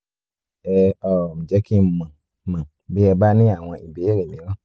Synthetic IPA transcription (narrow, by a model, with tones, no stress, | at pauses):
ɛ˧˨ɔ˨mĩ˨d͡ʒɛ˨˦ki˦mã˨ | mã˨ | be˦ɛ˧ba˦nĩ˦a˨w̃ɔ̃˧ʔi˨be˨˦e˦ɾe˨mĩ˨˦lɔ˦